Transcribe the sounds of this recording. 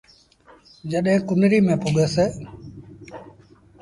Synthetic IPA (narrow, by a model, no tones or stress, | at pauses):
d͡ʒəɗɦẽːkʊnɾiːmẽːpʊɠeːseː